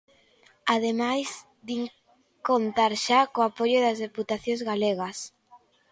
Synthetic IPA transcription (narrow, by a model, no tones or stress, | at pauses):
aðemajs | d̪iŋ | kont̪aɾʃakoapoʎʊðɐzðeput̪aθjõŋzɣaleɣɐs